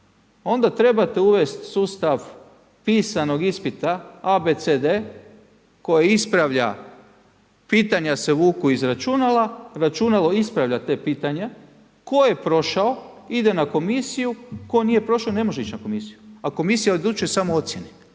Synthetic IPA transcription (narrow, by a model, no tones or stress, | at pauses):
o̞nd̪at̪ɾe̞bat̪euʋe̞st̪suːst̪aʋ | piːsano̞ɡispit̪aabet̪sed̪e | ko̞jeispɾaʋʎa̰ | piːt̪aɲaseʋuːkuizɾat͡ʃunalaɾat͡ʃunalo̞ispɾaʋʎat̪e̞piːt̪aɲa | ko̞je̞pɾo̞ʃao̞id̪e̞nako̞misijuko̞enije̞pɾo̞ʃone̞mo̞ʒeit͡ʃnako̞misijuako̞misijaod̪ut͡ʃesamoo̞t̪sjene